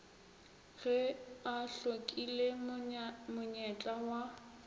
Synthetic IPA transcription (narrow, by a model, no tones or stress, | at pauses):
ɣɛaɬokʼile | mʊɲɛt͡ɬʼawa